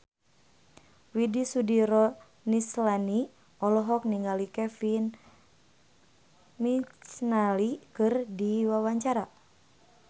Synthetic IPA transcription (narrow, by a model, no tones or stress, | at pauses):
widisudiɾɔ | nislani | ɔlɔɦɔk̚niŋɡalikɛfin | mit͡ʃnalikɨrdiwawaɲt͡ʃaɾa